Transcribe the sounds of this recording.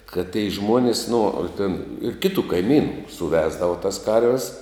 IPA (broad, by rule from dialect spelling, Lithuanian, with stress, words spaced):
kɐt tʲɛɪ ˈʒmuɔnʲɪs nʊ ɐ tʲɛn ɪr ˈkʲɪtʊ kɐɪˈmʲiːnʊ sʊˈʋʲæːzdɐʋɐ tɐs ˈkɐrʲʋʲɛs